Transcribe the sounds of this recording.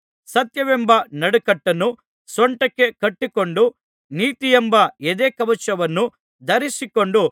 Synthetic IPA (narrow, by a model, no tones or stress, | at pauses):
sɐt̪jɐʋɛmbɐnɐɽukɐʈːɐnːu | sɔɳʈɐkːe̞kɐʈːiko̞ɳɖu | niːt̪ijɛmbɐed̪eːkɐʋɐt͡ʃɐʋɐnːu | d̪ɐɾisiko̞ɳɖu